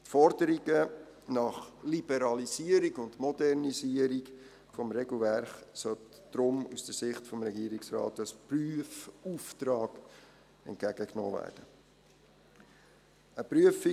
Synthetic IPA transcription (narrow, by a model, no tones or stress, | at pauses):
tfɔɾdəɾiɡə | nɑχlib̥ɛɾɑliziəɾiɡʊndmɔdɛɾnisiəɾik | fɔmɾɛɡl̩ˠvæɾχsœt | d̥ɾʊmusd̥əsɪχtfɔmɾɛɡiːəɾiksrɑ̰ːtɑspryəfuftrɑːɡ̥ | ɛ̰nt̚ɡ̥æɡ̥əkno̰ːvæ̰ːrd̥ə | əpɾyəfi